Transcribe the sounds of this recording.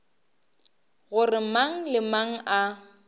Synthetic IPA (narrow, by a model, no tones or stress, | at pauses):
ɣʊrɪmaŋ̩lɪmaŋ̩ʔa